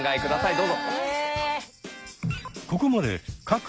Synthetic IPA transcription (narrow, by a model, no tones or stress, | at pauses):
ŋɡaekɯ̟d̪asaid̪o̞ːzo | ko̞ko̞mad̪e̞̰kak